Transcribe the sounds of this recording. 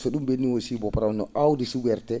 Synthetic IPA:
sɔɗumbenːiwosibɔpaɾanɔʔawdisuɡɛɾtɛ

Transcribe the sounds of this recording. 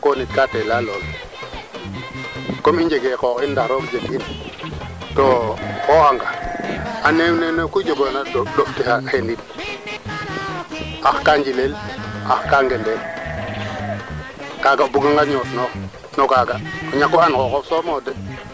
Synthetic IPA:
konit̚katelalol | komiɲd͡ʒeɡekɔkindaxɾokd͡ʒekin | tokokaŋɡaanemnenokud͡ʒoɡonadoftihahenit | axkaɲd͡ʒilelaxkaŋɡendel | kaːɡabuɡaŋɡaɲotnox | nokaːɡakɲakːuankokofsomodɛ

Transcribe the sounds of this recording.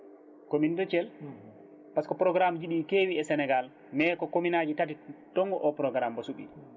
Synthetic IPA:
komindɔt͡ʃɛl | paskɔpɾɔɡɾamd͡ʒiɗikeːwiɛsɛnɛɡal | mɛːkɔkominad͡ʒitatitɔŋɡɔʔɔpɾɔɡɾambɔsuɓḭ

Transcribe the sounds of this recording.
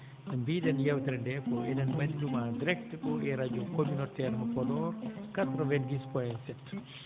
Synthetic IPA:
ʔɛmbidɛnjawtɛɾndɛpɔɛnɛnwandumadiɾɛk̚tɛɗɔɛɾad͡ʒumkominɔtɛɾɦɔkɔdɔɾkatɾɔvɛnɡispɔɛnsɛt

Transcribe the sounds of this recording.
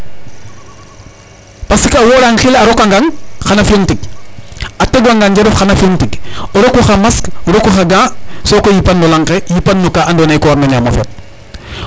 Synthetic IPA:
pasikawoɾaŋxilaɾokaŋɡaŋxanafioŋtiɡ | ateɡwaŋɡand͡ʒeɾufxanafioŋtikoɾokuxamaskoɾokuxaɡãːsoːkojipanːulaŋkejipanːukaandonajkoɾnaɲamo̰fḛt̚

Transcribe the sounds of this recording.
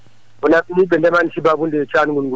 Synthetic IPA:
ɔnakiniɓɛndɛmanʃibabundɛt͡ʃʰanuɡunɡu

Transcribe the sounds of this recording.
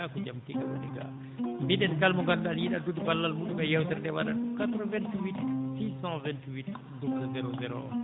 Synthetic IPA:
akɔd͡ʒamtiɡawa̰ɗɛ̰ɡa̰ | mbiɗɛnkalmɔkandaljiɗadudbalːalmuɗumɛjɛwtɛɾdɛwaɗa̰kat̪ɾəvɛntwitsisãvɛntwit | duksazɛɾozɛɾo̰

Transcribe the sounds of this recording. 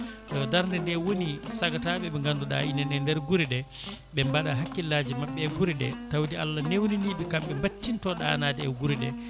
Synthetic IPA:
ɗɔdaɾndɛndɛwonisaɡataɓɛɓɛŋɡanduɗa̰inɛnɛndɛɾɡuɾiɗɛɓɛmbaɗaɦakːilːaːd͡ʒimaɓːɛːɡuɾiɗɛ̰tawdia̰lːanewniniɓikamɓɛmbatːintɔɗa̰ːnaːdɛɛɡuɾiɗɛ

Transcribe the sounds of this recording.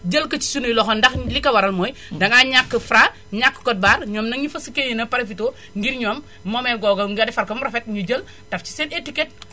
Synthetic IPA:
d͡ʒəlkɐt͡ʃi̥sunujlɔxɔndɐxlikɐwɐɾɐlmɔːjdɐŋaɲakːəfɾa | ɲakːə̥kɔt̚baːɾɲɔːmnɐŋɲufɐsikeːɲinɐpɐɾɐfitoː | ŋɡiɾɲɔːmː | ɔmɛɡɔɡɐŋɡɐdɛfɐɾkɐmɾɐfɛt̚ɲuɟəl | tɐft͡ʃi̥sɛnetikɛt̚

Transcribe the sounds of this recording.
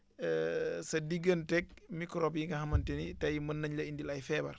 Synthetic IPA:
sɐdiɡəntɛk̚mikɾoːbjiŋɡɐhɐmɐntinitɐjimɐnːɐɲlɐindilɐjfɛːbɐ̰ɾ

